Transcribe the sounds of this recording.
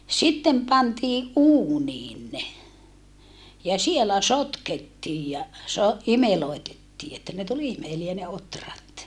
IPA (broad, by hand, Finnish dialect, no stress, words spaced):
sitːem pɑntiːʔ ʔuːniːn ne jɑ sielæ sotketːiːj jɑ so imeloitetːiː etːæ ne tul imeliæ ne otrɑt